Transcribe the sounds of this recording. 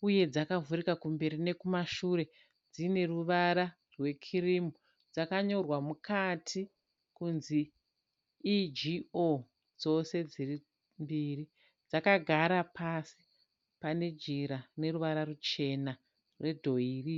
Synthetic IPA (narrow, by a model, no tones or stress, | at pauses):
uje̞d͡zakavuɾikakumbe̞ɾine̞kumaʃuɾe̞ | d͡zine̞ruʋaɾa | rwe̞kʰirimu | d͡zakaɲo̞rwamukʰatʰi | kunziː | d͡ʒio | d͡zo̞se̞d͡ziri | mbiːri | d͡zakaɡʱaɾapʰasi | pane̞d͡ʒiɾane̞ruʋaɾarut͡ʃe̞na | rwe̞dʱo̞iːri